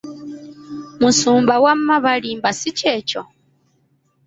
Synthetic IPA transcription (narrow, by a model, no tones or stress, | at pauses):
musuːmbawamːaβalimbasice̞ːco